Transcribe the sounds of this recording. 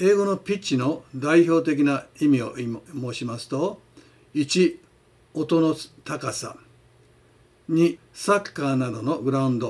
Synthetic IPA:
e̞ːɡo̞no̞pʲit͡ɕːino̞d̪aiço̞ːt̪̬e̞k̬ʲinaimʲio̞mo̞ːɕimasɨ̥t̪o̞ | it͡ɕi | ot̪o̞not̪akasa̰ | ɲ̟i | sakːaːnad̪o̞no̞ɡɯ̟ɾaɯ̃nd̪o

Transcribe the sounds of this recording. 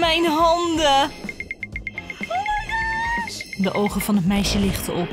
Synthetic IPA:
mɛjnɦɑndə | dəʔowχəvɑnət̚mɛjʃjəlɪχtəʔɔp

